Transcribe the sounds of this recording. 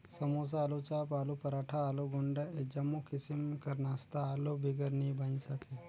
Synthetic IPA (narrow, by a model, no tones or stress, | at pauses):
səmos̬aːlut͡ɕapalupəɾaʈʰaːloɡoɳɖəed͡ʑəmokisimkəɾnast̪aːlobʱiɡəɾnibəɲsəke